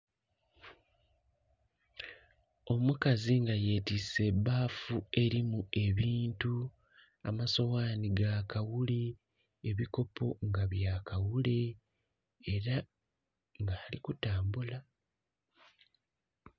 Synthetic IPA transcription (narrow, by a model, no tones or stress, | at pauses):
o̞mukaziŋɡaje̞ːtise̞baːfue̞ɾimue̞βiːntu | a̰maso̞waːniɡakawuli | eβiko̞po̞ŋɡaβjaːkawuleː | ɾa | ŋɡaːlikutaːmbula